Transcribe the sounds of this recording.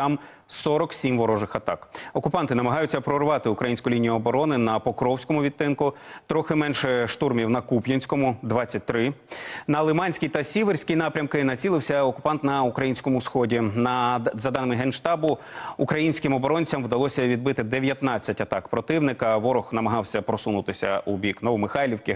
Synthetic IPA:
ɑm | sɔɾɔksʲimʋɔɾɔʒɪxɐt̪ɑ̰kɔkʊpɑnt̪ɪnɐmɐɦɑjʊt͡sʲːɐpɾɔrʋɑt̪ɪʊkɾɐjinʲsʲkʊlʲinʲijʊɔbɔɾɔnɪnɐpɔkɾɔwsʲkɔmʊʋʲit̪ːɪnkʊt̪ɾɔxɪmɛnʃɛʃt̪urmʲiwnɐkupjɐnʲsʲkɔmʊd̪ʋɑt͡sʲːɐt̚ʲt̪ɾɪnɐlˠɪmɑnʲsʲkʲijt̪ɐsʲiʋeɾʲsʲkɪjnɑpɾʲɐmkɪnɐt͡sʲilˠɪwsʲɐɔkʊ̥pɑnt̪nɐukɾɐjinʲsʲkɔmʊsxɔdʲinɐzɐd̪ɑnɪmɪɦɛnʃt̪ɑbʊ | ukɾɐjinʲsʲkɪmɔbɔɾɔnʲt͡sʲɐmwd̪ɐlˠɔsʲɐʋʲid̪bɪt̪ɪd̪eʋʲjɐt̪nɑt͡sʲːɐtʲɐt̪ɑkpɾɔt̪ɪwnɪkɐʋɔɾɔxnɐmɐɦɑwsʲɐpɾɔsunʊt̪ɪsʲɐ̰ubʲiknɔʋɔmɪxɑjlʲiwkɪ

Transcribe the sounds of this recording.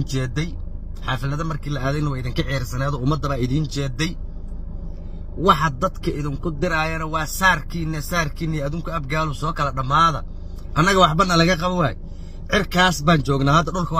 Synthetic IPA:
t͡ʃɛːd̪ɛj | ħɑːfɪlɐðɐmɐrkʰiːlɐʔaːðɛɪnɐwaɪðɪŋkʰɐʕijɾsɐnaːðɔːʊmɐd̪ːɐβaːɪðiːnt͡ʃɛːd̪ɛj | wɑħɑd̪ɐd̪kʰɐʔɪðɪŋkʰʊd̪ɪɾaːjɐnɐwɑːsaːrkʰiːnɐsaːrkʰiːnːɪjɐðuːŋkʰʊɐbɡaːlʊsɔːkʰɐlɐɖɐmaːðɐ̰ | ʔɐnːɐɣɐwɑħbɐnːɐlɐɣɐqɑβɔwa̰ːjɛ̰ | ʕɪrkʰaːsbaːnt͡ʃɔːɡnaːhɐd̪ːɐɖʊlkʰɐw

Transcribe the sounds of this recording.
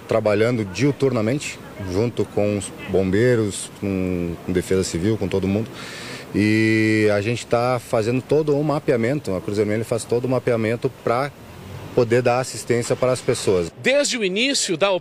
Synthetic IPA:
t̪ɾabaʎɐ̃nd̪ʊd͡ʒiut̪uɾnɐmẽnt͡ʃɪ̥ | ʒũnt̪ʊkõʊsbõmbejɾʊskõkõd̪efezɐsiviwkõt̪od̪ʊmũnd̪ʊɪaʒẽnt͡ʃɪ̥t̪afazẽnd̪ʊt̪od̪ʊʊmapiamẽnt̪ʊɐkɾuzeɾmẽlɐfast̪od̪ʊmapiamẽnt̪ʊpɾɐ | pod̪eɾd̪aɾasist̪ẽsjɐpɾɐːspesoɐsd̪ezd͡ʒɪʊinisjʊd̪ɐo

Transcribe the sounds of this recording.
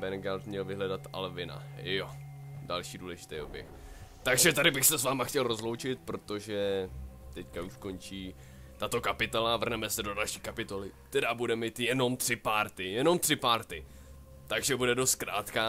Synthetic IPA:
bɛnɡalt̪mɲɛlvɪɦlɛdat̪ʔa̰lvɪna̰odalʃiːduːlɛʒɪ̥t̪ɛjʔobjɛ̰xt̪aɡʒɛt̪adɪbɪxsɛsvaːmaxcɛlɾo̞zlowt͡ʃɪt̪̚pɾo̞t̪o̞ʒɛt̪ɛckauʃko̞nt͡ʃiː | t̪at̪o̞kapɪt̪olavr̩nɛmɛsɛdo̞dalʃiːkapɪt̪o̞lɪt̪ɛdabudɛmiːt̪jɛno̞mt̪r̥ɪpaːɾt̪ɪjɛno̞mt̪r̥ɪpaːɾt̪ɪ | t̪aɡʒɛbudɛdo̞st̪̚kɾaːt̪ka

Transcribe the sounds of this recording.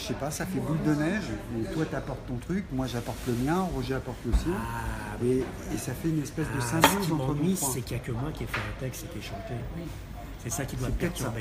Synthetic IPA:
sepasafɛbuld̪ənɛʒmɛt̪wat̪apɔʁt̪ːɔ̃t̪χykmwaʒapɔʁt̪ləmjɛ̃ʁoʒeapɔʁt̪ləsjɛ̃ | mɛː | safɛynɛspɛsd̪əsɛ̃bozɑ̃ĩsɛkjakʲəmwakʲiɛfɛɛ̃t̪ɛkst̪ekʲiɛʃɑ̃t̪ewi | sɛsakʲid̪wapət̪ɛt̪bɛ

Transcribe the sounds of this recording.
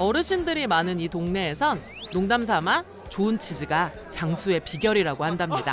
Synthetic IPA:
ʌɾɯɕʰindɯɾimanɯnitoŋne̞ːsʰʌnː | oŋdamsʰama | t͡ɕoɯnt͡ɕʰid͡ʑiɡa | t͡ɕaŋsʰue̞piɡjʌɾiɾaɡohandamɲida

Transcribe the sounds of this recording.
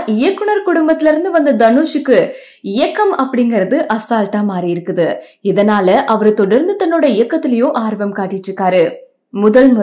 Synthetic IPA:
ʔɪjɐkːʊɳɐɾkʊɽʊmbɐt̪ːɪlɪɾɯnd̪ɯʋɐnd̪ɐd̪ɐnuːʂɯkːɯ | ɪjɐkːɐmɐpːɐɽɪŋɡɐɾɐðɯʔɐsaːlʈaːmaːɾijɪɾɯkːɯðɯ | ɪðɐnaːlɐʔɐʋɐɾɯt̪ɔɽɐɾnd̪ɯt̪ːɐnːoːɽɐɪjɐkːɐt̪ːɪlɐjõːʔaːɾʋɐmkaːʈːɪʈːɾɯkːaːɾɯ | mʊðɐlmʊ

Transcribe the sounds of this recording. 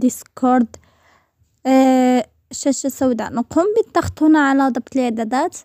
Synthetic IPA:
d̪iskoɾˤd̪ | ʃæʃasawd̪anqumbit̪ːɑxt̪hunaʕalad̪ˤɑb̚t̪əld̪æd̪æt̪

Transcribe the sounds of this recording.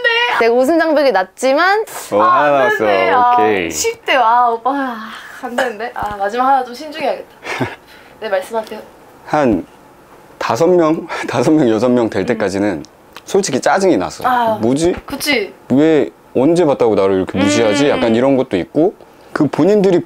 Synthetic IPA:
neneɡaos̬ʰɯnd͡ʑaŋbʌɡinat̚t͡ɕ͈imanoanas͈ʌkʰeɕʰit͈ejoaop͈aandenɯnde̞ʔamad͡ʑimakhanat͡ɕomɕʰind͡ʑuŋiɦaɡe̞t̚t͈ḁ | ne̞maɭs͈ɯmɦatʰejo | han | tas̬ʰʌmmjʌŋtasʰʌmːjʌŋjʌsʰʌmːjʌŋtwe̞ɭt͈e̞k͈ad͡ʑinɯn | sʰoɭt͡ɕʰiɡʰit͡ɕ͈ad͡ʑɯŋina̰sʰʌamod͡ʑikɯt͡ɕʰiwe̞ | ʌnd͡ʑe̞bat̚t͈ʰaɡonaɾoiɾʌkʰemud͡ʑiɦad͡ʑijak͈̚aniɾʌnɡʌt̚t͈oik̚k͈o | kɯpoɲindɯɾi

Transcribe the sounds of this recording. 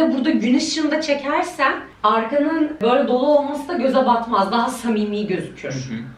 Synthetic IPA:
ɛbuɾd̪aɟynɯʃʃɯnd̪at͡ʃʰe̞cʰæɾsæn | aɾkanɯnbø̞jlʲɛd̪o̞lˠuo̞lˠmasɯd̪aɟø̞zabat̪mazd̪aɦasamiːmiːiɟø̞zycʰyjøɾ̥

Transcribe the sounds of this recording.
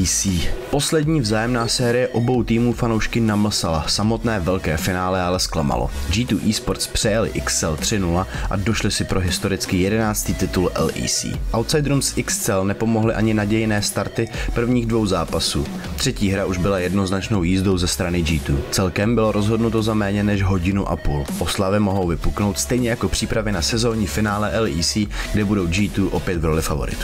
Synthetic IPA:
siːpo̞slɛdɲiːvzaːjɛmnaːsɛːɾɪjɛʔo̞bo̞wt̪iːmuːfano̞wʃkɪnaml̩salasamo̞t̪nɛːvɛlkɛːfɪnaːlɛalɛsklama̰lo̰d͡ʒiːt̪uːʔiːspoɾt̪t͡spr̥ɛjalɪ̰ʔɪkst͡sɛlt̪r̝̥ɪnulaʔa̰do̞ʃlɪsɪpɾʔo̞ɦɪst̪o̞ɾɪt͡skɪjɛdɛnaːt͡st̪iːt̪ɪt̪ulʔɛ̰lʔḭːsḭːʔawt̪sajd̪ɾumsʔɪkst͡sɛlnɛpo̞mo̞ɦlɪʔaɲɪnaɟɛjɪnɛːst̪aɾt̪ɪpr̩vɲiːɣdvo̞wzaːpasuː | t̪r̝̥ɛciːɦɾaʔuʒbɪlajɛdno̞znat͡ʃno̞wjiːzdo̞wzɛst̪ɾanɪd͡ʒiːt̪uːt͡sɛlkɛmbɪlo̞ɾʔo̞zɦodnut̪o̞zamɛːɲɛnɛʒɦo̞ɟɪnuʔa̰puːlʔo̞slavɪmo̞ɦo̞wvɪpukno̞wt̪st̪ɛjɲɛjako̞pr̝̥iːpɾavɪnasɛzo̞ːɲɪfɪnaːlɛʔɛliːsiːɡ̥dɛbudo̞wd͡ʒiːt̪uːʔo̞pjɛt̪ɡɾo̞lɪfavo̞̰ɾɪ̰t̪u̥

